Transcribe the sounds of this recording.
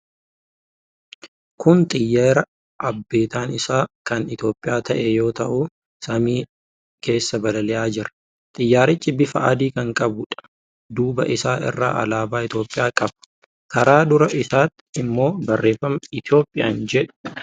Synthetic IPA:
kʰʊnt̪ʼɪjːaːɾɐ | ʔɐbːe̞ːt̪aːnɪsaːkɐnɪt̪jo̞ːpʼːɪjaːt̪ɐʔɛjo̞ːt̪ɐʔu | sɐmiː | kʰe̞ːsːɐbɐlɐlɛʔaːd͡ʒɪɾɐ̥ | t̪ʼɪjːaːɾɪt͡ʃːɪbɪfɐʔɐd̪iːkɐŋkʼɐbʊᶑɐ̥ | d̪uːbɐ̰ʔɪsaːʔɪ̰rːa̰ːʔɐ̰laːbaːɪt̪jo̞ːpʼːɪjaːkʼɐbɐ̥ | kɐɾaːd̪ʊɾɐʔɪsaːt̪ː | ɪmːo̞ːbɐrːe̞ːfːɐmɐɪt̪ɪo̞ːpʼːɪja̰ːnd͡ʒɛᶑʊ̥

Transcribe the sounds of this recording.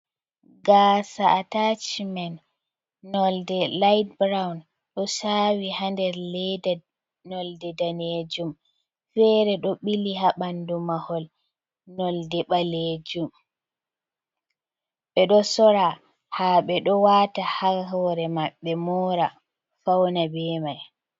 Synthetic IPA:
ɡaːsaːtat͡ʃmanː | ɔldɛlajd̚bɾawn | ɗɔsawihandɛɾlɛda | nɔldɛdaned͡ʒum | fɛɾɛɗɔɓiliɦaɓandumahɔl | nɔldɛɓaled͡ʒum | ɓɛɗɔsɔɾa | haɓɛɗɔwatahahɔɾɛmaɓːɛmɔːɾa | fawnabɛːmaj

